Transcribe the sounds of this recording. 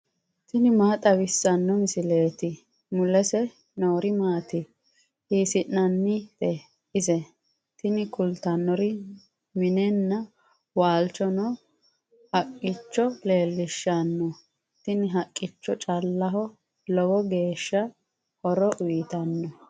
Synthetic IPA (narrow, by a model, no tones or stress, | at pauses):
t̪ɪnɪmaːt̪ʼɐwɪsːɐnːɔmɪsɪle̞ːt̪ɪ | mʊlɛsɛ | nɔwɾɪmaːt̪ɪ | hiːsɪnːɐnːɪt̪ɛ | ɪzɛ | t̪ɪnɪkʊlt̪ɐnːɔɾɪ | mɪnɛnːɐ | waːlt͡ʃɔnɔ | hɐkʼːɪt͡ʃːɔle̞ːlːɪʃːɐnːɔ | t̪ɪnɪɦɐkʼːɪt͡ʃːɔt͡ʃʼɐlːɐɦɔ | lɔwɔɡe̞ːʃːɐ | hɔɾɔʔʊjɪt̪ɐnːɔ